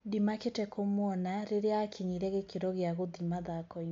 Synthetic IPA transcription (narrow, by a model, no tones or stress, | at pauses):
dimaketɛkʰomwɔnaɾeɾeakʰiɲiɾɛɣekeɾɔɣeaɣoðimaðakɔi